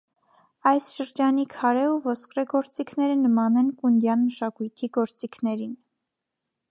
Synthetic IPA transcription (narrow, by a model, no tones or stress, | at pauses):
ɑjsʃəɾd͡ʒɑnikʰɑɾɛuvɔskrɛɡɔɾt͡sikʰnɛɾənəmɑnɛnkund̪jɑnməʃɑkujt̪ʰiɡɔɾt͡sikʰnɛɾin